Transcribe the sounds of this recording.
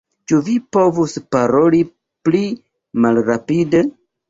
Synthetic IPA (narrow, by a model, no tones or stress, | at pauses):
t͡ʃuvipo̞vuspaɾo̞li | pli | malɾapide